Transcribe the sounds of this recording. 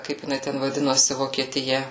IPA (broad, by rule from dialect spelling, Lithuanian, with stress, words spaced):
ˈkɐɪp jɪˈnɐɪ tʲɛn ʋɐˈdʲɪnoːsʲɪ ʋoːkʲiɛtʲɪˈjɛ